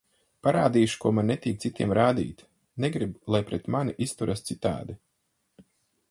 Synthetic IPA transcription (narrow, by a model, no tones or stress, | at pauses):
paɾaːd̪iːʃu̥kuɔmanːɛt̪ʲiːkt̪sit̪ʲḭɛmɾaːd̪ḭːt̪ | neɡɾiblˠajpɾɛt̪maniʔist̪uɾʔast̪sit̪a̰ːd̪i